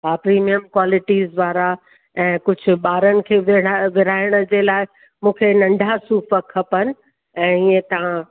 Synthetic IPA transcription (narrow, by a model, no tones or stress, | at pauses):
baːpɾiːmijəmkwaːlɪʈizʋaːɾa | ɛ̃ːkʊd͡ʑʱʊ̆ɓaːɾənɪ̆kʰeːʋɪʋɪɾaːɪɽ̃ə̆d͡ʑeːlaːɪ | mũːkʰenɐ̃ɳɖʱasuːfəkʰːɐpənɪ̆ | ɛ̃ːiːẽt̪ɐʋ̤ã